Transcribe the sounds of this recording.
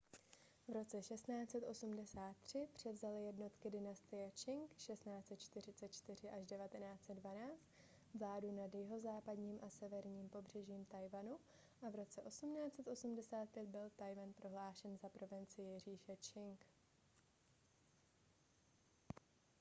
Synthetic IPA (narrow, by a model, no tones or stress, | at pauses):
vɾo̞t͡sɛʃɛst̪naːt͡sɛt̪ʔo̞sumdɛsaːt̪ːr̝̥ɪpr̝̥ɛvzalɪjɛdno̞t̪kɪdɪnast̪ɪjɛt͡ʃɪŋkʃɛst̪naːt͡sɛt̪̚t͡ʃt̪ɪr̝ɪt͡sɛt̪t͡ʃt̪ɪr̝ɪʔaʒdɛvat̪ɛnaːt͡sɛd̪dvanaːt͡st̪ | vlaːdunadjɪɦo̞zaːpadɲiːmʔasɛvɛɾɲiːmpo̞br̝ɛʒiːmt̪ajvanu | ʔavɾo̞t͡sɛʔo̞sumnaːt͡sɛt̪ʔo̞sumdɛsaːt̪̚pjɛt̪̚bɪlt̪ajvanpɾo̞ɦlaːʃɛnzapɾo̞vɪnt͡sɪjjɪriːʃɛt͡ʃɪŋk